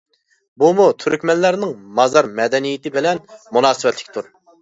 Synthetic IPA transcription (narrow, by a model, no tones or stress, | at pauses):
bumut̪ʰyɾykʲmɛnlæɾnɪŋmɑzɑɾmɛd̪ɛnijɪt̪ɪbɪlɛnmunɑːsɨwɛt̪lɪ̥kʲt̪ʰuɾ